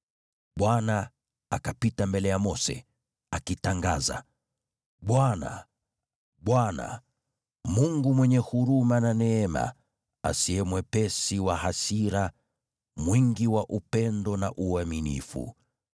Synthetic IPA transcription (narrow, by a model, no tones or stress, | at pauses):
ɓwana | akapitambɛlɛjamɔsɛ̰ | akitaŋɡaza̰ | ɓwana̰ | ɓwana̰ | muŋɡumwɛɲɛhuɾumananɛɛma̰ | a̰siɛmwɛpɛsiwahasiɾa | mwiŋɡiwaʔupɛndɔnaʔuaminḭfṵ